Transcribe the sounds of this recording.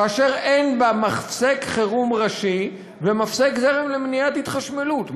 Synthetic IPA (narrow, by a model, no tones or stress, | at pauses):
kaːʃeʁenbamaχfsekχeʁumʁaʃi | vemafsekzeʁemlemnijat̪hit̪χaʃmelut̪